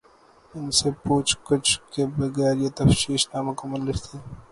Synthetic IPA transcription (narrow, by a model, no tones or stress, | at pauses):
ɪnsepuːt͡ʃkʊt͡ʃʰkebɐɣɛːɾjet̪ɐfʃiːʃnaːmãkomɐnlɪɾt̪ʰi